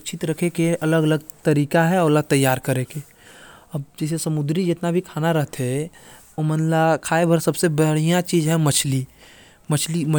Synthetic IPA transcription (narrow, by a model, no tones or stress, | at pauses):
t͡ʃʰɪt̪ɾəkʰekeʔɐləɡələɡ̚t̪əɾiːkaɦɛɔːɾələɡ̚t̪əjːaːɾkəɾeke | əbd͡ʒɛːsesəmʊd̪ɾid͡ʒet̪nabʱikʰaːnaɾəɦət̪ɦɛ | omənlakʰaːebʱəɾsəbsebəɦɽ̤ijãt͡ʃiːd͡ʒɦɛ̃mət͡ʃʰli | mət͡ʃʰlimə